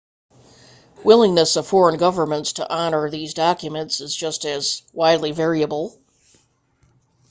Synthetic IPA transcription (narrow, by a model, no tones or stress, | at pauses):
wɪlˠɪ̃ŋnɨsʌv̥fɔɹə̃nɡʌvə˞mə̃ntstʰə̰ʔɑnə˞ðizdɑkjɨmɨ̃ntsɨzd͡ʒʌstɨzwaɪdˡlivɛɹiɨbl̩ˠ